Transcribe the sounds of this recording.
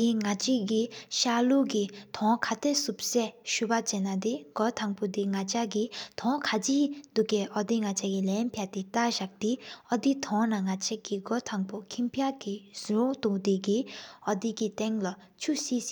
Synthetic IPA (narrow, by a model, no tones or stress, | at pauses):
iŋat͡ɕikiɕaluʔkit̪ʰɔkʰat̪ʰesup̚sɛɕupat͡ɕenːat̪eɡ̥ɔt̪ʰaŋpod̪iŋat͡ɕʰakit̪ʰɔŋkʰat͡ɕiːd̪uʔkeʔɔd̪iŋat͡ɕʰakilɛnpʰjat̪et̪aɕaʔ̚t̪iʔɔd̪it̪ʰɔŋnaŋat͡ɕʰeʔkiɡɔt̪ʰaŋpokʰimpʰjaʔkiz̥uoŋt̪ud̪ekiʔɔd̪ikit̪ɛŋla | t͡ɕʰusiː